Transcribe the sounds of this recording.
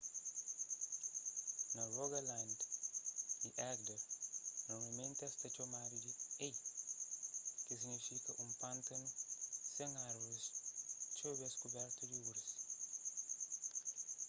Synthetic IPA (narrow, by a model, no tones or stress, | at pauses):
nɐroɡɐlãnd̪ | iʔɛɡd̪ɐɾnɔɾmɐmẽnt̪ɛst̪ɐt͡ʃomad̪id̪iej | kis̬iɡnifikɐʔũmpãnt̪ɐnsẽŋaɾvoɾist͡ʃobɛskubɛɾt̪ud̪iuɾɐs